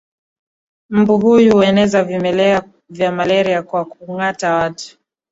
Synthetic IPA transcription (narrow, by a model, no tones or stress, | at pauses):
m̩buɦujuhuɛnɛzavimɛlɛa | vjamalɛɾiakwakuŋatawatu̥